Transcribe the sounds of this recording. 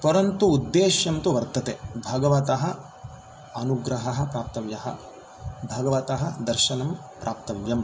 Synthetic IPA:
pɐɾɐnt̪uːd̪ːeːʃjɐmt̪uʋɐɾt̪ɐt̪ebʱɐɡɐʋɐt̪ɐɦɐ | ɐnuɡɾɐɦɐɦɐ̆pɾaːp̚t̪ɐʋjɐɦɐ̰ | bʱɐɡɐʋɐt̪ɐɦɐd̪ɐɾʃɐnɐm | pɾʔaːp̚t̪ɐʋjɐm

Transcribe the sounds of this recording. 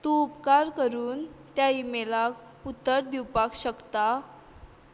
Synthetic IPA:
t̪uːpkaɾkəɾuːnt̪jaimelak | ut̪ːəɾd̪iwpakɕəkt̪a

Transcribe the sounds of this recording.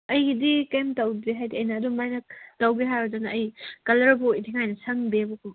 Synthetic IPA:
ɐjdikemtɐwbiɦajdiɐjnɐːdumajnɐtɐwbiɦajɾɔdɐnɐːjkɐlɐɾɐbojtʰiŋajnɐsɐŋbebukʰum

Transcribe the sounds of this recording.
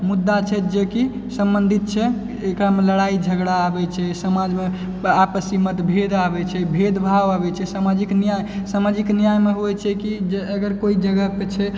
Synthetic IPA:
mud̪ːat͡ʃʰɛd͡ʒeki | səmbənd̪ʱit̪̚t͡ʃʰɛː | kɾameləɽaid͡ʒʱəɡɽaːbɛt͡ʃʰɛsəmad͡ʒme | apəsimət̪bʱed̪abɛt͡ʃʰɛbʱed̪bʱaʋabɛt͡ʃʰɛsamad͡ʒiknijajsamad͡ʒiknijajmeɦoɛt͡ʃʰɛkid͡ʒeəɡəɾkoid͡ʒəɡəpet͡ʃʰɛ

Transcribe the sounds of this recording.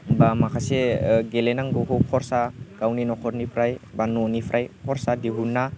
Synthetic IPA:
bamakʰaseɡelenaŋɡoɦɔkʰɔɾsaɡ̥awninɔkʰɔɾnipʰɾajbanɔnipʰɾʔajkʰɔɾsadiɦunːa

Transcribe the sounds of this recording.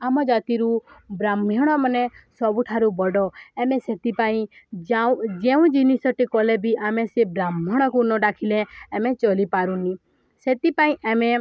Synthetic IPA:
amɔd͡ʒat̪iɾubɾamɔɽ̃ɔmɔnesɔbuʈʰaɾubɔɖɔɛmeset̪ipaĩd͡ʒãd͡ʒeũd͡ʒinisɔʈikɔlebʱiʔamesebɾamɔɽ̃ɔkunɔɖakʰileːmet͡ʃɔlipaɾũni | set̪ipaĩʔɛme

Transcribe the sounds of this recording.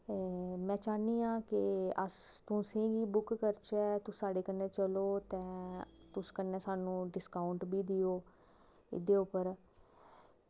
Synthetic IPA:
mɛ̃ːt͡ʃaːniːãːkɪə̰st̪ʊ̃sẽːɡiːbʊkːəɾt͡ʃɛːt̪ʊsːaːɖeːkənːẽːt͡ʃəloːt̪ɛ̃ːt̪ʊskənːɛːsaːnũːɖɪskaːʊɳʈbiːd̪ɪoː | ɪ̰d̪eːʊpəɾ

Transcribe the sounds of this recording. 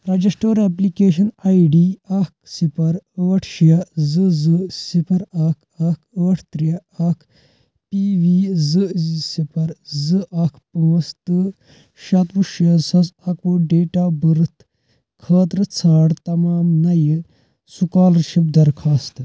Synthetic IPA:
ɾɐd͡ʒɐsʈoːɾeplikeːʃɐnɐjɖiːɐk̚sipɐɾəːɐʈʰʃiɐzɨzɨsipʰɐɾɐkʰ | ɐkʰəːʈʰt̪ɾijɐɐkʰ | piːʋiːzɨzisipɐɾzɨʔɐkʰpəːst̪ɨ | ʃɐt̪ʋuʃjɐsɐsɐkuɖeːʈaːbɨɾɨt̪ | kʰɐːt̪ɾɨt͡sʰaːɽt̪ɐmaːmnɐjɨ | sukaːlɐɾʃip̚d̪ɐɾkʰaːst̪

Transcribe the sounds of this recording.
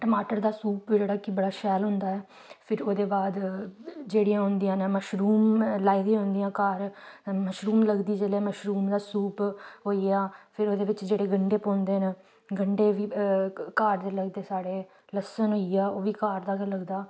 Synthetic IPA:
ʈəmaːʈəɾd̪aːsuːpd͡ʒeːɽaːkibəɽaːʃɛːlɦʊnd̪aːɛː | pʰɪɾoːd̪eːbaːd̪ | d͡ʒeːɽijãːɦʊ̃nd̪ijãːneməʃɾuːmlaːiːd̪ĩjãɦʊ̃nd̪ijãːkaːɾməʃɾuːmləɡd̪iːd͡ʒeːleːməʃɾuːmd̪aːsuːpɦoːijaːpʰɪɾoːd̪eːʋɪt͡ʃd͡ʒeːɽeːɡəɳɖeːpõːnd̪eːneː | ɡəɳɖeːʋiːkaːɾd̪eːləɡd̪eːsaːɽeː | ləsənɦoːiaːoːʋiːkaːɾd̪aːkələɡd̪aː

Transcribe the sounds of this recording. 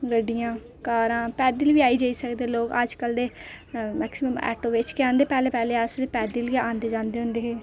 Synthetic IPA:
ɡəɖːijãː | kaːɾãːpɛːd̪iːlʋiːaːiːd͡ʒaːiːsəkd̪eːloːkəd͡ʒkəld̪eːmɛ̰ːksɪməmɛ̰ːʈoːʋɪt͡ʃkɪãːnd̪eːpɛːleːpɛːleːasd̪eːpɛːd̪iːlkeãːnd̪eːd͡ʒãːnd̪eːɦʊ̃nd̪eːɦeː

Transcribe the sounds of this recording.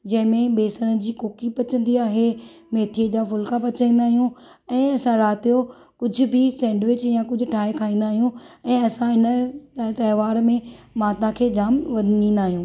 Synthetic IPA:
d͡ʑɐ̃ɦɪ̃mẽbeːsəɽ̃əd͡ʑiːkoːkipɐt͡ɕə̃nd̪iaːɦe | meːt̪ʰiəd͡ʑaːfʊlkapɐt͡ɕĩːnd̪aːɦijũɛ̃ːɐsãɾaːt̪ijo | kʊd͡ʑʱʊ̆bʱɪsɛ̃ːɳɖʋɪt͡ɕjãkʊd͡ʑʱʊ̆ʈʰaːekʰaːĩːnd̪aːɦijũɛ̃ːɐsãɪnət̪ɐːʋaːɾmẽmaːt̪ãkʰeːd͡ʑaːmʋɐd̪ʱnĩːn̆d̪aːɦijũː

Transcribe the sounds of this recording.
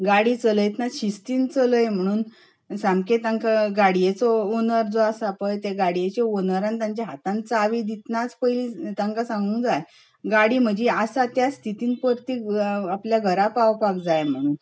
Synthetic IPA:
ɡaɽiːt͡sələjt̪naɕist̪iːnt͡sələjm̤əɽ̃uːn | samket̪ãŋkaɡaɽijet͡sɔonəɾd͡zoasapəjt̪eɡaɽijet͡ɕeonəɾãnt̪jãɲt͡ɕaɦat̪ãnt͡saʋid̪it̪nat͡spəjlit̪aŋkasãŋɡuːŋd͡zaj | ɡaɽiːm̤əd͡ʑiasat̪jast̪ʰit̪iːnpəɾt̪iːapljaɡʱəɾapawpak̚d͡zajm̤əɽ̃uːn

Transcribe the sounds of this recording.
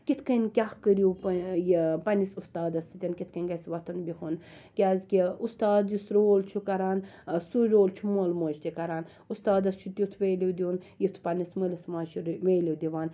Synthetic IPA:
kit̪ʰkɐnʲkʲahkəɾiwpjpɐnisust̪aːd̪ɐsit̪ʲɐnkit̪ʰkɐnʲɡɐsʋɐt̪ʰɐnbiɦun | kʲaːzʲkʲiust̪aːd̪jusɾoːlt͡ʃʰukɐɾaːnsuɾoːlt͡ʃʰumoːlmoːt͡ʃt̪ʲikɐɾaːn | ust̪aːd̪ɐst͡ʃʰut̪ʲit̪ʰʋeːliwd̪iunjit̪ʰpɐnisməlismaːt͡ʃʰuʋeːliwd̪iʋaːn

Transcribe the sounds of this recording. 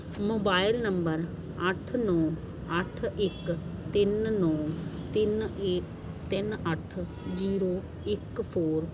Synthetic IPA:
moːbaːɪlnəmbəɾ | əʈʰnɔː | əʈʰɪkt̪ɪnnɔːt̪ɪneː | t̪ɪnəʈʰ | d͡ʒiːɾoː | ɪkpʰoːɾ

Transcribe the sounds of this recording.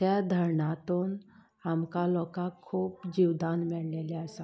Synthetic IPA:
jad̪ʱəɾɳat̪un | amkalɔkakʰːuːpd͡ʑiʋd̪anmiɭleleəsa

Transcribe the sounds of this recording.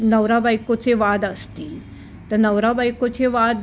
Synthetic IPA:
nəwɾabajkot͡seʋad̪əst̪iː | t̪əɾnəwɾabajkot͡seʋad̪

